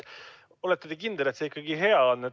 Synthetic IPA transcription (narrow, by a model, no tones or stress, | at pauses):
o̞let̪ːed̪ekind̪̥elet̪seikːɑɡ̥iɦe̞ɑonː